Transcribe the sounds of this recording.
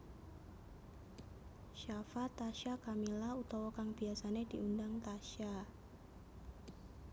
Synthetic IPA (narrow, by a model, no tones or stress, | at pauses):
ʃafat̪aʃakamilaut̪awokaŋbiasanediundaŋt̪aʃa